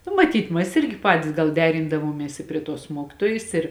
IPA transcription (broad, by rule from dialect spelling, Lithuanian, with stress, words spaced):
nʊ mɐˈtʲiːt mɐs ˈɪrʲɡʲɪ ˈpɑːtʲɪs ɡɐlˠ ˈdʲæːrʲɪndɐʋuɔmʲiɛs ɪ pʲrʲiɛ ˈtuɔs ˈmuɔkʲɪtoːjɪs ˈɪr